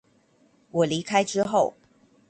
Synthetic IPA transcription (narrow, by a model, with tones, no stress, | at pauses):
wɔ˨˩li˨˦kʰa˥ɪʈ͡ʂɻ̩˥xo˥˨ʊ